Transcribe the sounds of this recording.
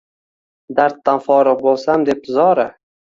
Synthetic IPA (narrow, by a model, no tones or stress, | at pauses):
d̪aɾt̪ːanfɒɾɨq̚bolˠsamd̪e̞p̪̚zɒɾa